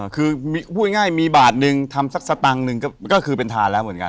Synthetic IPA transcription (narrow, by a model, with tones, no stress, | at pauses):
kʰɯː˧miː˧pʰuː˥˩t̪̚ŋaː˥˩jmiː˧baː˨˩t̪̚nɯ˧ŋt̪ʰa˧msa˦˥˩k̚sa˧t̪a˧ŋnɯ˧ŋkɔː˥˩kɔː˥˩kʰɯː˧pe˧nt̪ʰaː˧nlɛ˦˥wmɯ˩˦ə˦nka̰˧